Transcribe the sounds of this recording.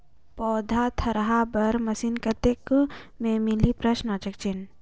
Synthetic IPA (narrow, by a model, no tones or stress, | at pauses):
pɔːd̪ʱat̪ʰɐɾɦabɐɾmɐsinkəɾt̪ekmẽmɪlipɾəʃnat͡ʃək̚t͡ʃɪn